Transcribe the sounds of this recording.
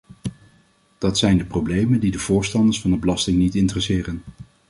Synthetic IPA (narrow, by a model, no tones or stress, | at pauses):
d̥ɑtsɛjndəproblejməndidəvʊːɹstɑndəsfɑndəbəlɑstɪŋnitɪntrɛsɪːrən